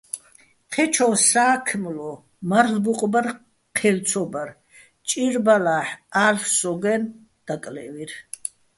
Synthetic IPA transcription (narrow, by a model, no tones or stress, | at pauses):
qʰɛt͡ʃʰɔwsaːkʰmlɔ | maɾlbuqʼbaɾ | qʰɛlt̪t͡sʰɔbaɾ | t͡ʃʼiɾbalaħalfsɔɡɛn | d̪̥akʼlɛ̰viɾ